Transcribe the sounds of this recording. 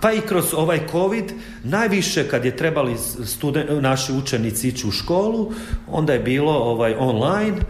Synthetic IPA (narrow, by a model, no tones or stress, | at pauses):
paikɾo̞zo̞ʋajkʰo̞ʋid̪ | naːjʋiʃe̞kad̪jet̪ɾe̞bali | st̪ud̪enaʃiut͡ʃenit̪siit͡ɕiuʃko̞ːlˠuo̞̰nd̪aje̞biːlo̞oʋajʔo̞nlajn